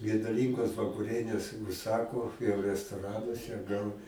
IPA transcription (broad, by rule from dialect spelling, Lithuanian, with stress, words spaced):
ɡʲɛdʊˈlʲiːŋɡoːs ʋɐkʊˈrʲiɛnʲeːs ʊʃˈsɑːkoː jɛʊ rʲɛstoːˈrɑːnuɔsʲɛ ɡɐlˠ